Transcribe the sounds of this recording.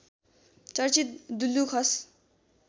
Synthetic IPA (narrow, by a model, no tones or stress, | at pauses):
t͡sʌrt͡sit̪̚d̪ulːukʰʌs